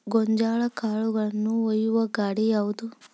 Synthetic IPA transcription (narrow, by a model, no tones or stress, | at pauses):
ɡoɲd͡ʒaːɭɐkaːɭuɡɐɭɐnːuɔjːuʋɐɡaːɽijaːʋud̪u